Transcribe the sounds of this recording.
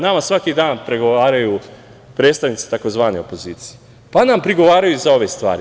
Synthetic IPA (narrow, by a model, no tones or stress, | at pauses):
namasʋakid̪aːnpɾeɡo̞ʋaːɾaju | pɾet̪st̪aʋnit̪i̥t̪ako̞zʋaːneo̞po̞ziːt̪sije | panampɾiɡo̞ʋaːɾajuzao̞ʋe̞st̪ʋa̰ːɾi